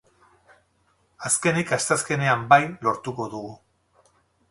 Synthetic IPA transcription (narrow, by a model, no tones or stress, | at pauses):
aske̞nikast̪aske̞ne̞ambajlo̞ɾt̪uko̞ðuɣu